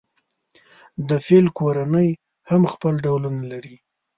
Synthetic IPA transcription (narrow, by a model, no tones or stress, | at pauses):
d̪əfelkoɾanəj | hamxpəlɖawlunalaɾi